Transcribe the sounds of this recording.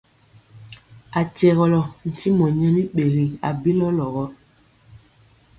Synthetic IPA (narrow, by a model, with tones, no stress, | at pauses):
a˨t͡ʃɛ˨ɣɔ˨lɔ˨n̩˨ti˦mɔ˨ɲɛ˦mi˦ɓe˨ɣi˨a̰˨bi˦lɔ˦lɔ˨ɣɔ˦